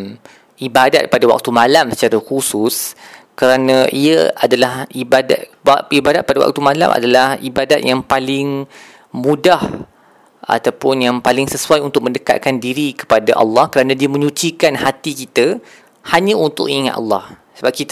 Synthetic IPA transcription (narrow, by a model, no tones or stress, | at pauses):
ʔibada̰t̪̚padawa̰k̚t̪umãlamsə̥t͡ʃaɾahusʊskəɾanãʔiəadalahibada̰t̪ibadat̪̚padawa̰k̚t̪umãla̰mʔa̰dalahibadat̪̚jaŋpalɪŋ | mũdah | a̰t̪apʊnjaŋpalɪŋsəsuajunt̪ʊk̚mə̃ndəka̰t̪̚kandiɾikə̥padaʔɑ̰lːɑhkəɾanãdiəmə̃ɲũt͡ʃikanhat̪ikit̪ə | haɲãunt̪ʊ̰kiŋa̰t̪ɑ̰lːɑ̰h | səbap̚kit̪